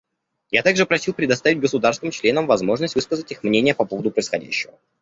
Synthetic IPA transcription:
jat̪aɡʐɨpɾɐsʲilˠpɾʲɪd̪ɐst̪avʲɪd̚ʲɡəsʊd̪aɾrst̪nɨmt͡ɕlʲe̞nəmvɐzmo̞ʐnəsʲtʲvɨskəzətʲixmnʲenʲɪjəpɐpo̞vəd̪ʊpɾəisxɐdʲæ̰ɕːɪvə

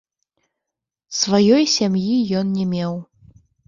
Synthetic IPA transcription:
svajɔjsʲamjijɔnnʲɛmʲɛw

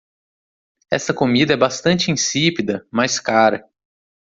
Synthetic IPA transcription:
ɛsɐkomid̪ɐɛbast̪ɐ̃nt͡ʃɪĩsipid̪ɐmajskaɾɐ

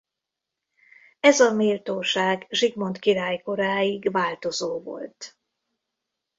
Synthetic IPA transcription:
ɛzɒmilt̪oːʃaːɡʒiɡmo̞nt̪kiɾaːjko̞ɾaːiɡvaːlt̪o̞zoːvo̞̰lt̪

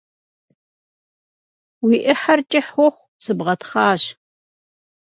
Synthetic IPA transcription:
wiːʔɪħart͡ʃʼɪħʷɔχʷ | sɨbʁɐtχɑːɕ

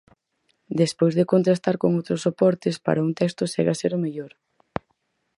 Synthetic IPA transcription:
d̪espojzðekont̪ɾast̪aɾkoŋowt̪ɾosopɔɾt̪espa̰ɾɐunt̪ɛst̪ʊsɛɣaseɾʊmeʎoɾ

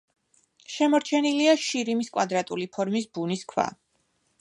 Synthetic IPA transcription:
ʃɛmɔɾt͡ʃʰɛniliaʃiɾimiskʼwad̪ɾat̪ʼulipʰɔɾmisbuniskʰwa̰

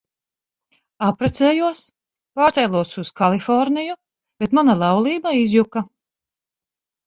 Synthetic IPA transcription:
apɾɛt̪seːjuɔs | paːɾt̪sɛjlˠuɔsuskalˠifɔɾniju | b̥et̪manalˠɑwlˠiːbaizjuka

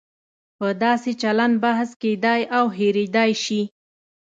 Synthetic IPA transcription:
pəd̪ɑset͡ʃaland̪̚bahsked̪ɑjawɦeɾed̪ɑjʃi

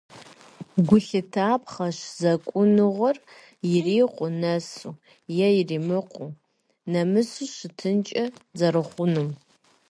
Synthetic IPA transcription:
ɡʷʊɬɨtʰaːpχɐʃzɐkʷʼʊnɨʁʷɔr | jɪriːqʷʼʊnɐsu | jɛjɪriːmɨqʷu | nɐmɨsuɕɪtʰɨnt͡ʃʼɐzɐrɨχʷʊnum

